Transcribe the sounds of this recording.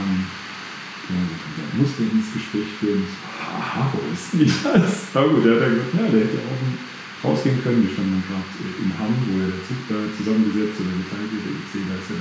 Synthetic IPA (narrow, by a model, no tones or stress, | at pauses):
am | ɡ̥ənaʊzotʰad̥a̰mʊsd̥eːɐɪnsɡ̥əʃpʁ̥ɛːçfyːɐn̩ɛsv̥aːha̰haʁo̰ɪsz̥idasaɡuːtd̥eːhatjaɡəzatnjaːdeːɐhɛtəʊf | ʁa̰ʊsɡ̥eːənkʰœnənviːɐʃtandəndanɡʁaːtɛʔɪnhamvoːjaːɾeːɐt͡sɪp̚d̥aːt͡suzamənɡəzɛt͡stʔoːdɐɡətʰaɪltɪtd̥ḛɪ̰z̥eːdaɪsaɐ